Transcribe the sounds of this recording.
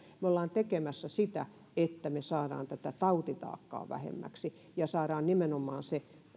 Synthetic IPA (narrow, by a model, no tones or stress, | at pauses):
meolːɑːnt̪ekemæsːæsit̪æ | et̪ːæmesɑːɾɑ̰ːnt̪æt̪æt̪ɑut̪it̪ɑ̰ːkːɑ̰ːʋæ̰hḛmːæ̰ksi | jɑsɑːɾɑːnnimenomːˑɑːnse